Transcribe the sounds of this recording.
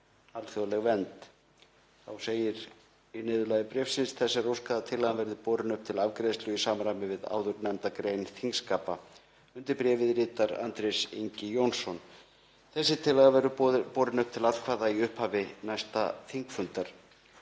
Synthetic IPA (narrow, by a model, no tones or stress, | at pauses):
alθjolɛɣvɛnt̪ | θawseːjɪɾ | inɪːðʏlaːjðɪpɾɛfsɪnsθɛsːaɾowskaðat̪ʰɪlːaɣanvɛɾðɪpɔːɾɪnʏhp̚t̪ʰɪlavkɾejst̪lʏisaːmaɾajmɪvɪða̰ːwðʏɾnant̪akɾejnθiŋskaːpa | ʏnt̪ɪɾpɾɛːvɪðɾɪːt̪aɾa̰nt̪ɾejsiɲcɪjownsːɔn | θɛsːɪt̪ʰɪlːaɣavɛɾʏpɔːɾɪnʏhp̚t̪ʰɪlalkʰvaːðaiʏhphaːvɪnajst̪aθiŋkfʏnt̪aɾ̥